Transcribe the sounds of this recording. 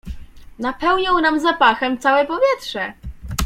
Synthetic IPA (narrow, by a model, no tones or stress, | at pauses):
napɛwɲɔw̃namzapaxɛmt̪sawɛpɔvʲjɛt̪ʂɛ